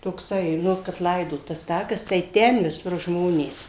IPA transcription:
toːkˈsɐɪ ˈnʊ kɐp ˈlˠɐɪdoːt tɐs ˈtɑːkɐs tɐɪ ˈtʲɛn ʋʲɪˈsʊr ˈʒmoːnʲeːs

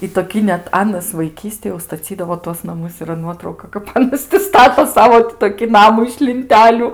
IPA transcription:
ɪ toːˈkʲiː nʲɛt ˈɑːnɐs ʋɐɪˈkʲiːsʲtʲeːj jɛʊ stɐˈt͡sʲiːdɐʋoː tuɔs nɐˈmʊs iːˈrɐ ˈnuɔtrɐʊkɐ kɐp ɐˈnɐs tʲɪ ˈstɑːtoː ˈsɑːʋoː tʲɪ toːˈkʲɪ ˈnɑːmʊ ɪʃ lʲɪnʲˈtʲæːlʲʊ

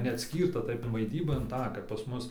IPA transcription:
nʲɛɐtʲˈsʲkʲiːrtɐ tɐɪp ʋɐɪˈdʲiːbɐ ɪn tɑː kɐp pɐs ˈmʊs

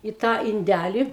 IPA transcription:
ɪ tɑː ɪnʲˈdʲælʲɪ

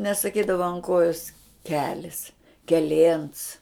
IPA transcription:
nʲɛsɐˈkʲiːdɐʋɐ ɐn ˈkoːjoːs ˈkʲæːlʲɪs kʲɛˈlʲeːns

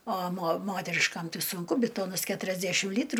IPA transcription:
oː moː ˈmoːtʲɛrʲɪʃkɐm ˈtɐɪ sʊŋˈkʊ bʲɪˈtoːnɐs kʲɛtʊrʲɛzʲˈdʲæʃʲɪm ˈlʲiːtrʊ

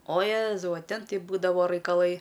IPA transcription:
oː ˈjeːzɐʊ ɐ ˈtʲɛn ˈtɐɪ ˈbuːdɐʋoː rɐɪkɐˈlˠɐɪ

